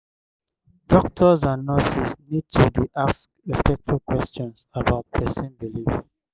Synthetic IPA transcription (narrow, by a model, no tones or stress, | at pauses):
d̥ɔk̚tʰɔzãnːɔsisnid̚tʰudiʔas | ɛspɛtfukwɛst͡ʃɔ̃nsabaʊt̚d̥ɛsẽmbilif